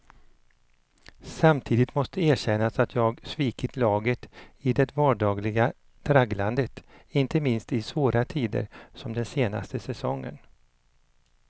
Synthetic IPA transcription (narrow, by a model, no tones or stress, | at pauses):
samt̪ʰiːd̪ɪt̪mɔst̪əæːɕɛnːasat̪ʰjɑːɡsviːkɪt̪ʰlɑːɡət̪ɪd̪ɛt̪vɑːɖɑːɡlɪɡa | d̪̥ɾaɡland̪ət̪ɪnt̪əmɪnst̪ɪsvoːɾat̪ʰiːd̪ə̰ɾsɔmd̪ɛnseːna̰st̪əsɛsɔŋːə̰n